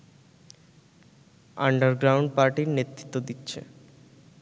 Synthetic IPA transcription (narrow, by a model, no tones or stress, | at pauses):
aɳɖəɾɡɾawɳɖ̚paɾʈiɾnet̪ːɾit̪ːod̪itːɕʰḛ